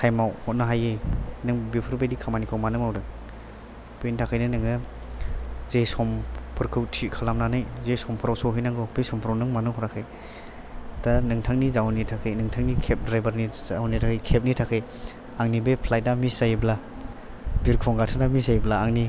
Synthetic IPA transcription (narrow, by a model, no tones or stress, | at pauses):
kʰajmawhɔt̚naɦajenɯŋbipʰɯɾbajdikʰamanikʰawmanɯmawdɯk̚ | pintʰakʰɯjnɯnɯŋɯ | zesɔmpʰɯɾkʰɯwtʰikʰalamnanɯjzesɔmpʰɯɾawsɔwɦɯjnaŋɡɔbesɔmpʰɾawnɯŋmanɯŋɦɔɾakʰɯj | tanɯŋtʰaŋnizawnitʰakʰɯjnɯŋtʰaŋnikʰep̚dɾajbaɾnizawnitʰakʰajkʰep̚nitʰakʰɯj | aŋnibepʰlaj̚damisajbla | biɾkʰɔŋɡatʰadamisajblaːŋni